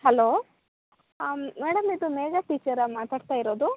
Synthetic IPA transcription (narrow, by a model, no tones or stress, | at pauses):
ɦɐloː | mɛɽɐmid̪umeːɡaʈiːt͡ʃɐɾɐmaːt̪aːɽt̪aːjiɾoːd̪u